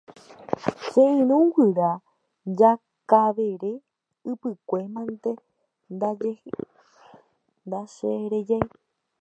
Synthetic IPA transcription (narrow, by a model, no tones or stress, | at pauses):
ʃeĩɾ̃ũɡɨɾa | d͡ʒa | kaʋe̞ɾe | ɨpɨkʷe̞mãnt̪e̞ | nd̪ad͡ʒe | nd̪aʃeɾed͡ʒaj